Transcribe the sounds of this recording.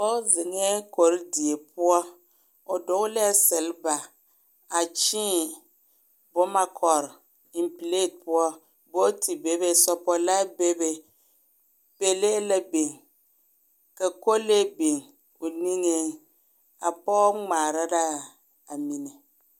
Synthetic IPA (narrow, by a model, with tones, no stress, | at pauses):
bɔ˦zɪ˨ŋɛ˦ko˨ɾdi˨e˨pʊ˦ɔ˦ | o˨dʊ˨ɡʊ˦lɛ˦sɪ˨lba˨ | a˨t͡ʃiː˦ | bʊ˦ma˦kʰɔ˨ɾ | ɪ˨mple˦˨t̚pʊ˦ɔ˦ | bo˦tʰi˨be˦be˦sɔ˦pɔ˦la˦be˦be˦ | pe˦le˦la˦be˨ŋ | ka˨ko˦le˦be˨ŋ | o˨ni˦ŋe˦ | a˨pɔ˦ŋ͡maː˨ɾa˦ɾa˦ | a˨mi˨nɛ˨